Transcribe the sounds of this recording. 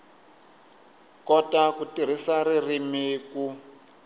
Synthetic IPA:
kɔtakutiɾ̤isaririmiːku

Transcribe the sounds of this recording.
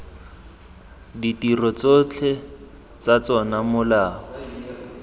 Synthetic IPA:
ditirɔt͡sot͡ɬʰɛ | t͡sat͡sɔnamʊlaː

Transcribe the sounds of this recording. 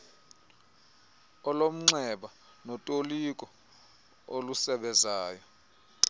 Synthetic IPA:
ɔlom̩ŋ͡ǀɛɓa | nɔtʼolikʼɔ | olusɛɓɛzaːjɔ

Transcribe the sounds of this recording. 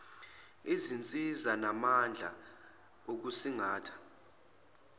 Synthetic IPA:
izint͡sʼizanamand͡ɮʱa̰ | ok̬usiŋaːtʰḁ

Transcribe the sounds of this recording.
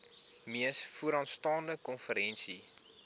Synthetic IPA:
miəsfuəɾɑntstɑːndəkɔnfəɾɛnsi

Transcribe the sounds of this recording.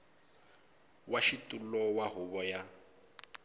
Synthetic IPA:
waʃitʼulɔwaɦʊβɔja

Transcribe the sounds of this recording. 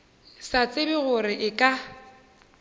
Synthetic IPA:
sat͡sʼɪbɪɣʊɾɪʔɪkʼa

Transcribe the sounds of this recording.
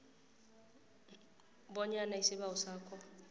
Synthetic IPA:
bɔɲanaisɪbaʊsaːkʼɔ

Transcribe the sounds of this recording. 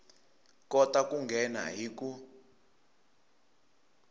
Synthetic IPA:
kɔtakuŋɡʱɛna̰ɦiku

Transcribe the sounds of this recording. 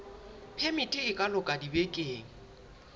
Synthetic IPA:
pʰemitʼɪɪkʼalʊkʼadibekʼeːŋ̩

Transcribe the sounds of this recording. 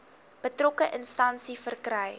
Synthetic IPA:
b̥ətrokəʔənstɐnsifərkrɛj

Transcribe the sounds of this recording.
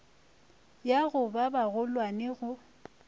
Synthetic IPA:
jaɣʊbabaɣʊlwaneɣʊ

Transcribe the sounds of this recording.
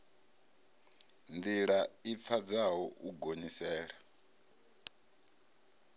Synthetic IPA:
ndiɺaip̪fʰad͡zaɦɔʔuɡonisɛːɺa

